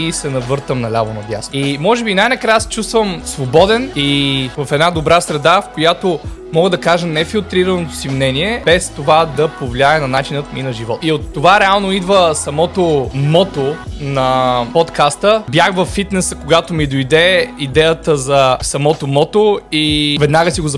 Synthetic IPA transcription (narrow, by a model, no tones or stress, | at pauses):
isɛnɐvɤɾt̪əmnɐlʲavonɐbja̰simɔʒɛbinajnɐkɾajəsɛ̥t͡ʃust̪vəmsvobɔd̪ɛnivɐfɛd̪nad̪obɾasɾɛd̪afkojat̪omɔɡəd̪ɐkaʒənɛfilˠt̪ɾiɾənot̪o̥simnɛniɛb̥ɛst̪ovad̪ɐpovlʲiaənɐnat͡ʃinət̪minɐʒivɔt̪iot̪ːovaɾɛalˠnoid̪vəsɐmɔt̪omɔt̪onɐpɔt̪kast̪əbjaxvɐfːit̪nɛsəkoɡat̪omid̪ojd̪ɛid̪ɛjət̪əzɐsɐmɔt̪omɔt̪oivɛd̪naɡəsiɡozɐ